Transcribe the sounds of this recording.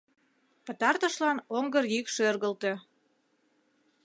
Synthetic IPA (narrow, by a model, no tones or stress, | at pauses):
pə̆t̪ɑrt̪əʃlɑnoŋɡərjykʃørɣəlt̪e̽